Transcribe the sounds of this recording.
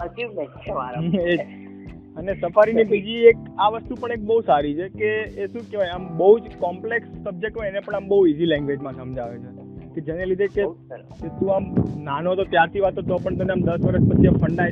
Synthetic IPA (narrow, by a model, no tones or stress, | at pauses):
əd͡ʒi | ae | ənesəfaɾinibid͡ʒiekaʋəst̪upəɳek̚bəɦusaɾit͡ʃʰekeːʃũkeʋajambəɦud͡ʒkɔmpleksːəb̚d͡ʒek̚ʈɦoenepəɳambəɦuizilɛ̃ŋɡʋed͡ʒmãsəmd͡ʒaʋet͡ʃʰe | ked͡ʒenelid̪ʱeke | ket̪ũamnanot̪ot̪jaɾt̪ʰiʋat̪ːot̪opəɳt̪əneamd̪əsʋəɾəspət͡ʃʰiefʰəɳɖa